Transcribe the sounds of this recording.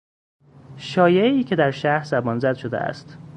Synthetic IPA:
ʃɒːjeeiːcʰe̞d̪æɾʃæhɾzæbɒːnzæd̪ʃo̞d̪eʔæ̰st̪

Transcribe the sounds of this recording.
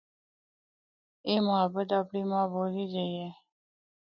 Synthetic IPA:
eːməɦəbət̪aːpɳimãboːliːd͡ʒəie

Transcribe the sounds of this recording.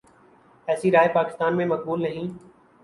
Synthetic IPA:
ɛːsiːɾaːjpaːkɪ̥st̪aːnmẽːmək̚buːlnəɦĩː

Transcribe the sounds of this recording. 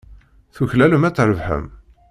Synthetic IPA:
θuçlæləmæt͡sːɾˤəvħə̰m

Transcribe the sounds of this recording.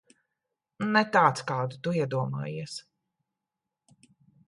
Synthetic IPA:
nɛt̪aːt̪skɑːd̪ut̪uiɛd̪uɔma̰ːjiɛs

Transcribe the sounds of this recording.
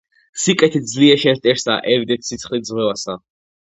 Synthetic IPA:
sikʼɛt̪ʰid̪zliɛʃɛɾt̪ʼɛɾsa̰ʔɛvd̪ɛt̪ʰsit̪sʰχlizʁwɛvasa

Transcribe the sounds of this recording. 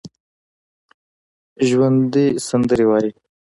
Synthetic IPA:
ʒwand̪isand̪əɾewɑji

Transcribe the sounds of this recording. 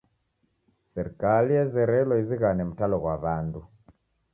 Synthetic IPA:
sɛɾikalijɛzɛɾɛlɔiziɣanɛmutalɔɣwaβandu

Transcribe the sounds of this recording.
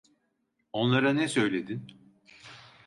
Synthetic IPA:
o̞nlˠaɾanɛsø̞jlʲe̞d̪in

